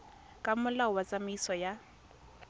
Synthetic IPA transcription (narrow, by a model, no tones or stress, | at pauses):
kʼamʊlawat͡sʼamʊisɔja